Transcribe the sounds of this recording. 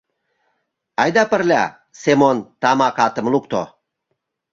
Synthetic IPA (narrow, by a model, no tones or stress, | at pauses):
ajd̪apəɾlʲa̰ | semont̪amakat̪əmlukt̪o̰